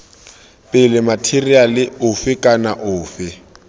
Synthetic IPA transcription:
pʼɪlɪmatʰirialɪʊfɪkʼanaʔʊːfɪ

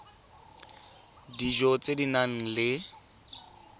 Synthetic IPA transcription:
did͡ʒɔt͡sʼedinaŋ̩lɪ

